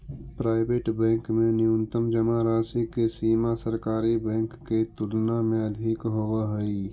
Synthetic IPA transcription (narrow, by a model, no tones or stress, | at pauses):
pɾaːɪbeːʈbɛ̃ːŋkmẽnɪʊnt̪əmd͡ʒəmaɾaːsikesiːmasəɾkaːɾibɛ̃ːŋkːet̪ʊlnamẽɐd̪ʱɪkɦoːwaɦəi